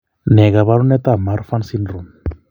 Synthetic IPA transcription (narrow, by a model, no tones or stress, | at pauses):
neɣaβaɾunet̪amaɾfansinrun